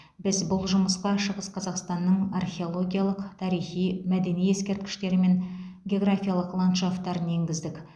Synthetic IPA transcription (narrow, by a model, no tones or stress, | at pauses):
bɪzbʊlˠʒʊməsqɑʃəʁəsqʰɑzɑqst̪ɑnːəɴarxʲe̞o̞lˠo̞ɡʲijalˠəqt̪ʰɑɾijχijmæd̪e̞nije̞skʲe̞ɾt̪̚kʲɪ̥ʃt̪e̞ɾɪme̞nɡʲeo̞ɡrafʲijalˠəqlˠant̪ʃaft̪ːɑɾənje̞ŋɡʲɪzd̪ɪkʲ